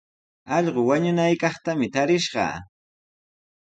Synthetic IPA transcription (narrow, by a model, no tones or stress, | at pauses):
ɑʎɢowaɲʊnajkɑχt̪amɪt̪aɾɪʃɢɑ̰